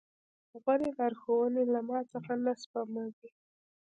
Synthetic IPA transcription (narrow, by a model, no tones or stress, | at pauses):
ɣaɾelɑɾxowənelamɑt͡səxanaspamawi